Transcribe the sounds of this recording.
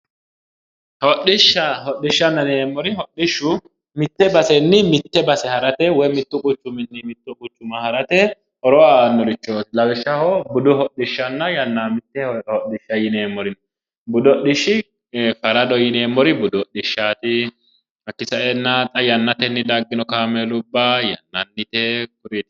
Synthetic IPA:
hɔɗɪʃːɐhɔɗːɪʃːɐnːɐneːmːɔɾɪhɔɗːɪʃːʊ | mɪt̪ːɛbɐsɛnːɪmɪt̪ːɛbɐsɛhɐɾɐt̪ɛwɔjmɪt̪ːʊkʼʊt͡ʃːʊmɪnːɪmɪt̪ːʊkʼʊt͡ʃːʊmɐhɐɾɐt̪ɛ | ʔɔɾɔwanɔɾɪt͡ʃːoːt̪ɪlɐwɪʃːɐhɔbʊd̪ʊhɔɗɪʃːɐnːɐjɐnːamɪt̪ːɛhɔʔɪʃːɐjɪneːmːɔɾɪn | bʊd̪ɔɗɪʃːɪ | fɐɾɐd̪ɔjɪneːmːɔɾɪbʊd̪ɔɗɪʃːaːt̪ɪ | hɐkːɪsɐʔɛnːat̪ʼɐjɐnːɐt̪ɛnːɪd̪ɐɡːɪnɔkaːmelʊbːajɐ̰nːɐnːɪt̪ɛkʊɾɪt̪

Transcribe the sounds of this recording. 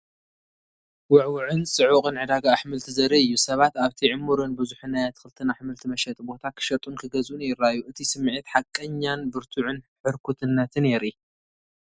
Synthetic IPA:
wʊʕwʊʕɨnsʼɨʕʊqʼɨnʕɨd̪aɡaːħmɨlt̪ʰizɐɾɐɨjːusɐβat̪aβt̪ʰiʕɨmːuɾɨnbɨzuħɨnːajat̪ʰɨ̥kxɨlɨt̪ʰɨnaħmɨlt̪ʰimɐʃɐt̪ʼbo̞t̪ʰakʰɨ̥ʃɐt̪ʼunkʰɨɡɐzʔunɪɾːajːuʔɨt̪ʰisɨmːʕɨt̪ħakʼːɐɲːanbɨɾt̪ʰuʕʊnħɨɾkʰut̪ʰɨnːɐt̪ʰɨneɾi

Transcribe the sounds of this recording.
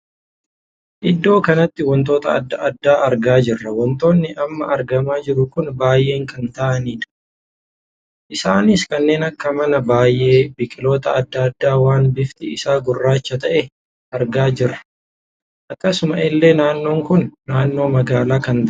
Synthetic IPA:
ʔɪd̪ːo̞ːkɐnɐt̪ːɪwɔnt̪o̞ːt̪ɐɐ̰d̪ːɐɐd̪ːaːʔɐɾɡaːd͡ʒɪrːɐwɔnt̪o̞ːnːɪʔɐmːɐʔɐɾɡɐmaːd͡ʒɪɾʊkʊnbaːjʔe̞ːŋkɐnt̪aʔɐniːᶑ̪ɐ̥ | ʔɪsaːnɪskɐnːe̞ːnɐkːɐmɐnɐbaːjʔe̞ːbɪkʼɪlo̞ːt̪ɐɐd̪ːɐɐd̪ːaːwaːnbɪft̪ɪɪsaːɡʊrːaːt͡ʃːɐt̪ɐʔɛ | ɐɾɡaːd͡ʒɪrːɐ̥ | ʔɐkːɐsʊmɐʔɪlːe̞ːnaːnːo̞ːŋkʊnːaːnːo̞ːmɐɡaːlaːkɐnt̪

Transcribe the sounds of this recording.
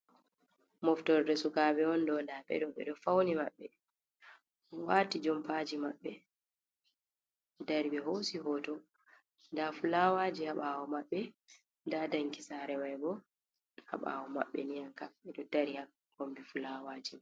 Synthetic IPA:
mɔftɔɾdɛsukaːɓɛɔndɔndaɓɛ̰ɗɔɓɛ̰ɗɔfawnimaɓːɛ | waːtid͡ʒɔmpad͡ʒimaɓːɛ | daɾibɛɦosihɔtɔ | ndafulawaːd͡ʒihaɓawɔmaɓːɛ | dadaŋkisaɾɛwajbɔ | ha̰ɓa̰wɔma̰ɓːɛnijankamɛɗɔdaɾiha | ɡombifulawad͡ʒim

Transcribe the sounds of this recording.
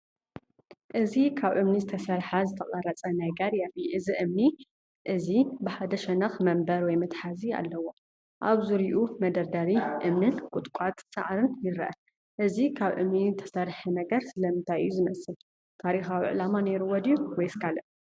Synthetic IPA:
ʔɨzikʰaβʔɨmnizɨt̪ʰɐsɐɾħazɨt̪ʰɐχʼɐɾɐt͡sʼɐnajɡaɾjafiʔɨziʔɨmni | ʔɨzibɨħad̪ɐʃɛnɐxmɐmbɐɾwɔjmɐt̪ʼħazia̰lːɐwo̞ | ʔa̰βzuɾiʔumɐd̪ɐɾd̪aɾiʔɨmnɨnkʼʊt̪ʼkʷʼat̪ʼsa̰ʕɾɨnjɪɾʔɐ | ʔɨzikʰaβʔɨ̰mnizɨt̪ʰɐ̥sɐɾħɐnɐɡɐɾsɨlɐmɨnt̪ʰajɨjːuzɨmɐsɨl | t̪ʰaɾixawiʕɨlamaneɾuwɔd̪ijuwɔjskʰalɐʔ

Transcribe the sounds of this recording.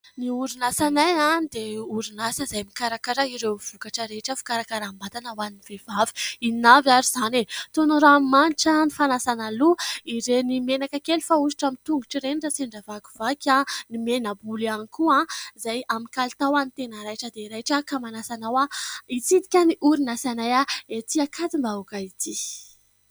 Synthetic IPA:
niuɾinasanajãd̪euɾinasəzajmikaɾakaɾaiɾewv̥ukaʈ͡ʂəɾeʈ͡ʂəfu̥kaɾakaɾambat̪anəwaniniv̥evavi̥inavjaɾizanet̪onuɾammaniʈ͡ʂanifanasanaluiɾenimenakakelifausi̥ʈ͡ʂamit̪uŋɡuʈ͡ʂiɾenirasiɳɖ͡ʐavaku̥v̥akʲãnimenabulanikuãzajamikalit̪awanit̪enəɾajʈ͡ʂəd̪eiɾajʈ͡ʂəkamanasanawait͡sid̪ikʲaniʔuɾinasanajaet̪iakʰat̪imbaukait̪ʰi

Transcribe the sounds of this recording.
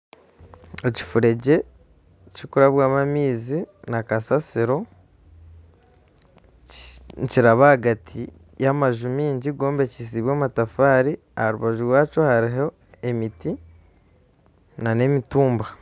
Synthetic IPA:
eci̥fuɾe̞ɟe̞ | cokuɾaβwaːmamiːzinakasasiɾo̞ | ciɾaβahaɡatʰi | jamaʒumiːɲɟiɡo̞ːmbe̞cis̬iβwaːmatafaːɾi | ahaɾuβaʒuɾwaːt͡ʃo̞haɾiɦo̞ | e̞miti | nane̞mituːmba

